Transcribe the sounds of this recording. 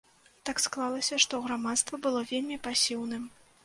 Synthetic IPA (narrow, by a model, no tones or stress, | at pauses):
t̪aksklˠalˠɐsʲɐʂt̪ɔɣɾamat̪st̪vɐbɨlˠɔvʲelʲmʲipasʲiwnɨm